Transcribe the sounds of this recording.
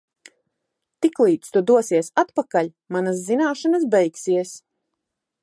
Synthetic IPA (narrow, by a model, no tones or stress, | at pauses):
t̪iklˠiːt̪st̪ud̪uɔsiɛsat̪pakaʎʲ | manas̬ːinaːʃanasbɛjksiɛs